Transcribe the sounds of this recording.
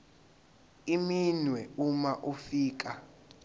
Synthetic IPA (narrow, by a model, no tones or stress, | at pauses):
iminwɛumaʔufiːk̬a